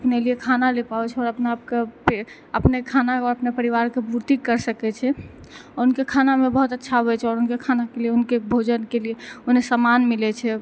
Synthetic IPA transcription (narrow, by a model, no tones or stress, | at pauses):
əpneliekʰanalepaɛt͡ʃʰɛɔːɾəpnabkepe | əpnekʰanaɔɾəpnepəɾiʋaɾkebuɾt̪ikːəɾsəkɛt͡ʃʰɛɔɾunkekʰanamebəɦut̪ətːʃʰaɦoɛt͡ʃʰɛɔɾunkekʰanakelieunkebʱod͡ʒənkelieonesəmanmilɛt͡ʃʰɛ